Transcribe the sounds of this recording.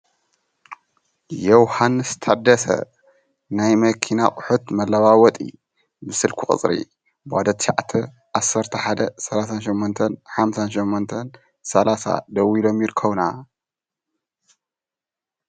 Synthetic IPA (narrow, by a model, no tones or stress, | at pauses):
jɛwhanːɨst̪ʰad̪ːɐsɐ̰ | najmɐkʰinakʼʊħut̪mɐlːɐwawɔt̪ʼḭ | bɨsɨlkʰuχʼɨ̰t͡sʼɾḭ | bad̪ɐt̪ʃa̰ʕt̪ʰɐ | ʔasːɐɾt̪ʰɐħad̪ɐsɐlasanʃɛmːont̪ʰɐnħamsanʃɛmːont̪ʰɐn | sɐlasa̰d̪ɐwilo̞mjɪɾkʰːɐβna